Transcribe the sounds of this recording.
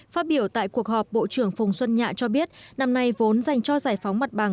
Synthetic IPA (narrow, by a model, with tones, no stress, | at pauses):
faː˦˥t̚ɓi˧˩əwt̪a̰ː˧˨jku˨˩ək̚hɔ˨˩p̚ɓo̰˧˨t͡ɕɨ˧˩əŋfʊ˨˩wŋ͡mswə˧nɲa̰ː˧˨t͡ɕɔ˧ɓi˦˥ət̚na˧mna˧jvo˨˦nza˨˩jŋ̟t͡ɕɔ˧zaː˧˩jfa˨˦wŋ͡mma˨˩t̚ɓa˨˩ŋ